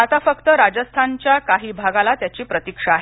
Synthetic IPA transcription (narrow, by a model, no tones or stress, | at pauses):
at̪afəkt̪əɾad͡ʑəst̪ʰant͡ɕjakaɦiːbʱaɡalat̪jat͡ɕiːpɾət̪ikʂaːɦe